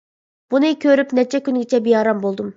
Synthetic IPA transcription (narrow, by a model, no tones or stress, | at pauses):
b̥unɨkʲʰøɾypnɛt͡ʃʰɛkʲynɡʲit͡ʃʰɛbijɑɾɑmbolˠd̪um